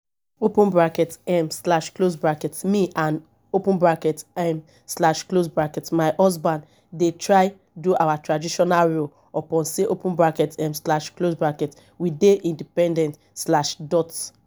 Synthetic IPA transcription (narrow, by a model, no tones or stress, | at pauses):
opũnbɹakɛtɛmslaʃklosbɹakɛtmiʔãn | opũnbɹakɛtɛ̃m | slaʃklosbɹakɛtmaɪʔɔs̬bãn | detʰɹaɪ | duʔawatɹadiʃɔnalɹo | ɔpɔ̃nseʔopũnbɹakɛtɛ̃mslaʃklosbɹakɛt | wideʔĩndipɛ̃ndɛ̃nt | slaʃdɔt